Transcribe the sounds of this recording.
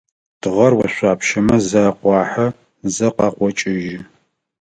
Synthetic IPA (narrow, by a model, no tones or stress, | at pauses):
d̥ʁɐrwɐɕʷaːpʰʃɐmɐzɐːqʷɑːħɐ | zɐqɑːqʷɔt͡ʃʼɪʒɪ